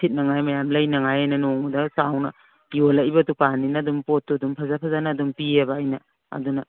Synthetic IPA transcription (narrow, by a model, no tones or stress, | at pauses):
sʰit̚nɐŋajmɐjamlɐjnɐŋajajnɐnoŋdɐsawnɐ̰ | jolajbɐtupaninɐːdumpotːudumpʰazapʰazanaːdumpiɐbaːjnɐ | ɐ̰dunɐ